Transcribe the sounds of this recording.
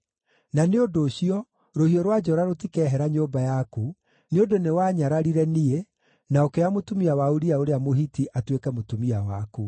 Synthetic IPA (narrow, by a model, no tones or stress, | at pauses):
naneondoːɕiɔ | ɾohiɔɾwad͡ʒɔɾaɾotikɛɦɛɾaɲoːmbajaku | neondonewaɲaɾaɾiɾɛnie | naokeamotumiawauɾiaoɾeamoɦitiʔatwekɛmotumiawaku